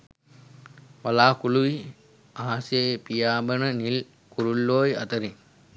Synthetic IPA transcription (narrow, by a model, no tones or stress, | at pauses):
ʋɐlaːkuluʋi | aːasepijaːbənənil | kuɾulːoːjɐ̰t̪əɾin